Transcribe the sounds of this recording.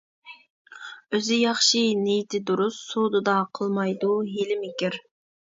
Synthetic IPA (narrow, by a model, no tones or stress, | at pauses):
øzɪjɑχʃinejt̪ʰɪd̪uɾusːod̪ɨd̪ɑqʰəlˠmɑjd̪uɦelɪmɪkʲiɾ